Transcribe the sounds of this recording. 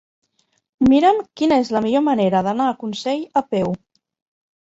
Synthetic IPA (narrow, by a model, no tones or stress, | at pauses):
miɾəmkinəezləmiʎoməneɾəðənaːkunsɛʎəpɛw